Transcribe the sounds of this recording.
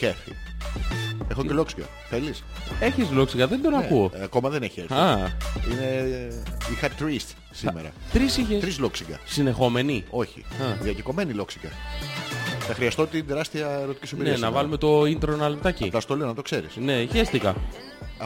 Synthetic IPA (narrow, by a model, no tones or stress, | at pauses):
keθḭ | e̞xoceloksiɡɐ̰ | θeliseçizloksiɡɐðed̪onɐkuoɐko̞mɐðeneçieɾɐine | ixɐt̪ɾist̪ | simeɾɐ̰t̪ɾisiçeɾizloksiŋɡɐ̰sine̞xo̞me̞nio̞çḭɐðiɐceko̞menilo̞ksiɡɐ̰ | θɐxɾiɐst̪ot̪id̪eɾɐst̪iɐeɾot̪i̥cisimbiɾnienɐvɐlume̞t̪o̞int̪ɾonɐlept̪ɐcilɐst̪olinɐt̪o̞kse̞ɾḭsne̞içest̪ikɐ